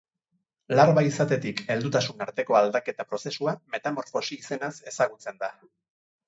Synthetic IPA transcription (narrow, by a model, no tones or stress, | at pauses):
laɾβaisat̪e̞t̪ike̞ld̪ut̪asunaɾt̪e̞ko̞ald̪ake̞t̪apɾo̞se̞suame̞t̪amo̞ɾfo̞siise̞nase̞saɣ̞ut͡se̞nd̪a